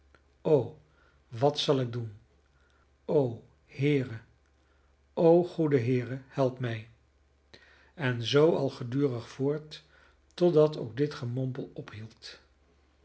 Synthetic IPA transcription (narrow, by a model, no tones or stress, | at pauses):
ow | ʋɑtsɑlˠɪɡ̚dun | ow | hɪːrə | ʔowχudəɦɪːrəhɛlˠpmɛj | ɛnzowɑlˠχədyːrəχfʊːɹtː | ɔdɑto̰wɡ̚dɪtχəmɔmpəlˠɔpɦilˠt